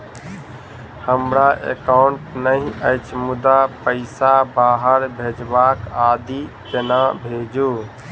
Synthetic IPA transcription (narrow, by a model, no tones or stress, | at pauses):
həmɾaʔḛkaʊɳʈnəĩəɪt͡ʃʰmud̪apəɪsabaɦəɾbʱed͡ʒbakad̪it̪enabʱed͡ʒu